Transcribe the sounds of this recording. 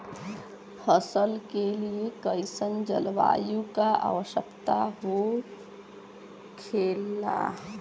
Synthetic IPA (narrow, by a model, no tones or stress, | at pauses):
fʰəsəlkeliekəɪsənd͡ʒə̰lʋa̰ːjũkaa̰ːʋəʃəkt̪aɦo | kʰeːla̰